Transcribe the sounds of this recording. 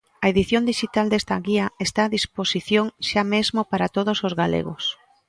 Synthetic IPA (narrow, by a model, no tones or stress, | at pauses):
ɐeðiθjond̪iʃit̪ald̪est̪aɣiɐest̪aːðisposiθjoŋʃamezmopaɾat̪oð̞osozɣalḛɣo̰s